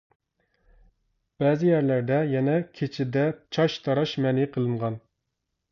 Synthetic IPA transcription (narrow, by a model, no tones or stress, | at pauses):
b̥ɛːzɪjæɾlæɾd̪ɛjɛnɛkʲʰet͡ʃʰɪd̪ɛt͡ʃʰɑʃt̪ʰɑɾɑʃmɛnɪqʰəlˠɨɴʁɑn